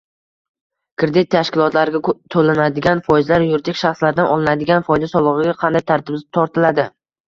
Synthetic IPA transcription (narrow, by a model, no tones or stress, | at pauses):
kʰɾɪd̪ɪt̪ʰːaʃkʲɪlˠɒt̪laɾɪɡʲat̪ʰolɪnad̪ɪɡʲanfɒjɪzlaɾjʊɾd̪ɪkʲʃaχslaɾd̪anʔɒlˠɪnad̪ɪɡʲanfɒjd̪asɒlˠɨʁɨɡʲaqʰɑnd̪ajt̪ʰaɾt̪ʰɪb̪t̪ʰɒɾt̪ʰɪlad̪ɪ